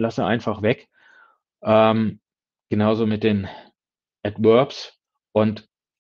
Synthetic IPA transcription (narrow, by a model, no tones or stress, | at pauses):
lasəʔa̰ɪnfaχvɛk | ʔɛːm | ɡ̥ənaʊzoːmɪt̚d̥eːn | ʔɛtvœɐps | ʔʊnt